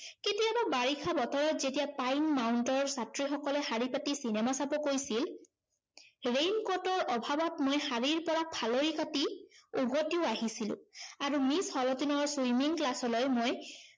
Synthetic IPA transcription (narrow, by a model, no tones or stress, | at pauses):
ketiababaɹikʰabɔtɔɹɔtzetijapajnmawntɔɹsatɹixɔkɔlɛxaɹipatisinɛmasapɔkoɹjsil | ɹejnkɔtɔɹɔbʱabɔtmojxaɹiɹpɔɹapʰaloɹikatiuɦotiʊaɦisilʊ̰̃aɹumishɔlɔtinɔɹsujmiŋklasɔlɔjmoj